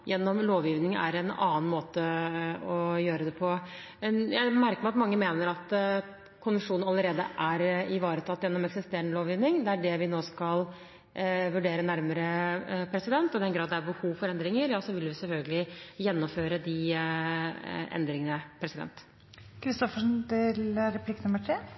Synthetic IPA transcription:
jʔɛnːɔmloːʋjiːʋnɪŋæ̰ɾɛnɑ̰ːn̩moːt̪əɔjøːɾəd̪ɛpʰɔ | jæɪmæɾkəmɑt̪mɑŋːəmeːnəɾɑt̪ | kʰʊnʋəʂuːnnɑləɾeːd̪ə̰ʔæɾɪʋɑːɾət̪ʰɑt̪ːjɛnːɔmɛksɪst̪eːɾəɳəloːʋjiːʋnɪŋd̪ɛæɖɛʋɪnoːskɑl | ʋʉɖeːɾənæɾməɾəpʰɾɛsɪd̪ɛnt̪ɔd̪ɛnɡɾɑːd̪d̪ɛæɾbəhuːʋfɔɾɛnd̪ɾɪŋəɾjɑːsɔʋɪlʋɪsɛlfœlɡəlɪjɛnːɔmføːɾəd̪ɪ | ɛ̰nd̪ɾɪŋənəpʰɾɛsɪd̪ɛ̰nt̪ | kʰɾɪst̪ɔfəʂnɪlɾɛp̪ʰɪkːnʊməʈʰɾeː

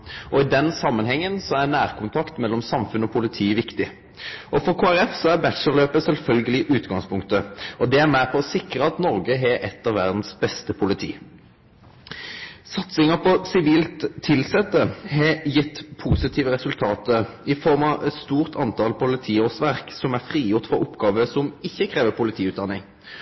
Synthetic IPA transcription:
ʔɔɪd̪ɛnsɑmːənhɛŋːənsɔæʁnæːʁkʰʊnt̪ʰɑkt̪mɛlːɔmsɑmfʉnəɔpʰʊlɪt̪ʰiːʋɪkt̪ɪ | ʔɔfɔʁkʰoːæɾɛfsɔæʁbæt̪ʃəlløːpəsɛlfœlɡəlɪʔʉːt̪ɡɑŋspʰʊŋkt̪əɔd̪ɛæʁmæpʰɔɔsɪkɾəɑt̪nɔʁɡəɦɛʔɛt̪ːɑʋæʁd̪n̩sbɛst̪əpʰʊlɪt̪ʰḭː | sɑt̪sɪŋɑpʰɔsɪʋiːlt̪ʰːɪlsɛt̪ːəhɛjɪt̪ːpʰuːsɪt̪ʰiːʋəʁɛsʉlt̪ʰɑːt̪əɪfɔʁmɑɛt̪st̪uːʁt̪ʰɑnt̪ʰɑlpʊlɪt̪ʰiːoːʁsʋæʁksɔmæʁfʁiːjʊʁt̪fɔʁʊpɡɑːʋəsɔmɪçːəkʰʁeːʋəpʰʊlɪt̪ʰiːʉːd̪ɑnːɪŋ

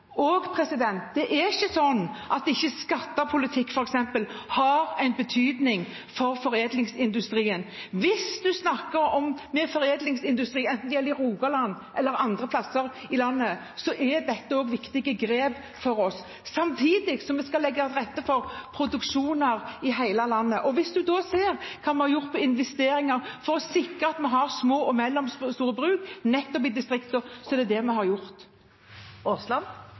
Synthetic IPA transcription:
ɔɡpʰɾɛsɪd̪ɛnt̪̚d̪ɛʔɛɪçːəsɔnːʔɑt̪̚ɛɪçːəskɑt̪ːəpʰʊlɪt̪ʰɪkːfɔɾɛksɛmpəlhɑɾæɪnbət̪ʰyːd̪nɪŋ | fɔɾfɔɾeːd̪lɪŋsɪnd̪ʉst̪ɾiːən | ʋɪsd̪ʉsnɑkːəɾɔmmɛfɔɾeːd̪lɪŋsɪnd̪ʉst̪ɾiːɛnt̪nd̪ɛjɛlɪɾuːɡɑlɑnː | ʔɛlːəɾɑnd̪ɾəpʰlɑsːəɾɪlɑnːə | sɔʔɛd̪ɛt̪ːəoːɡʋɪkt̪ɪɡəɡɾeːb | fɔɾɔsː | ɑmt̪ʰiːd̪ɪksɔmɛskɑlɛɡːɑt̪ɾʁɛt̪ːəfɔɾpʰɾʊd̪ʉkʂuːnəɾɪɦæɪləlɑnːəʔɔʋɪsd̪ʉd̪ɔseːɾkʰɑːmɛhɑɾjʊʁt̪pʰɔɪnʋɛst̪eːɾɪŋɑɾfɔɾɔsɪkɾəɑt̪mɛɦɑɾsmoːʔɔmɛlːɔmsst̪uːɾəbɾʉːknɛt̪ːɔp̬ɪd̪ɪst̪ɾɪkt̪ɔsɔɛd̪ɛd̪ɛmɛɦɑɾjʊɾt̪ | oslɑn

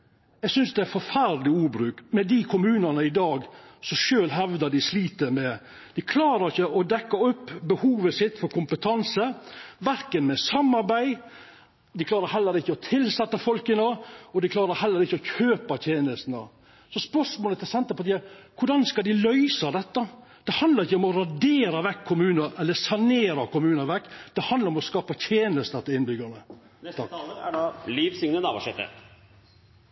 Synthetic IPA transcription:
jɛɡsʏnsd̪ɛæɾfɔɾfæɾd̪lɪuːbɾʉːkmɛd̪ikʰʊmʉːnənəɪd̪ɑːɡsɔʃøːlɦɛʋd̪əɖ̪ɪsliːt̪əmɛ | d̪̥ɪkʰlɑːɾəɾɪçəʔɔd̪ɛkːɑɔpːbəhuːʋəsɪt̪ːfɔɾkʰʊmpət̪ʰɑnsəʋæɾkənmɛsɑmːɑɾbæɪ | d̪ɪkʰlɑːɾəɾɦɛlːəɾɪçːəɔt̪ʰɪlsɛt̪ːəfɔlkənəɔd̪ɪkʰlɑːɾəɾhɛlːəɾɪçːəɔçʰøːpət̪ʰjeːnəst̪n̩ə | sɔspœʂmoːlət̪ʰɪlsɛnt̪əpɔt̪iːɑkʰʊɖɑnskɑd̪ɪlœʏsɑd̪ɛt̪ːəd̪̥ɛhɑnd̪lɑɾɪçːəɔmɔɾɑdeːɾɑʋɛkʰːʊmʉːnəɾʔɛlːəsɑneːɾɑkʊmʉːnəɾʋɛkːd̪̥ɛhɑnd̪əɾɔmɔskɑːpət̪ʰjeːnəst̪ət̪ːɪɪnbʏɡənə | t̪ | liːʋsɪŋnənɑːbɔʂɛt̪ːə̰

